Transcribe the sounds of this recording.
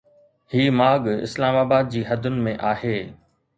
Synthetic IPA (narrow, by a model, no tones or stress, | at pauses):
hiːmaːɠɪ̰slaːmaːbaːd̪̚d͡ʑiːɦɐd̪ʱʊnɪ̆mẽʔaːɦeː